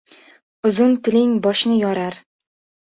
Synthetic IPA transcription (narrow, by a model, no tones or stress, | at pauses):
ʊzʊnt̪ʰɪlɪŋbɒʃnɪjɒɾaɾ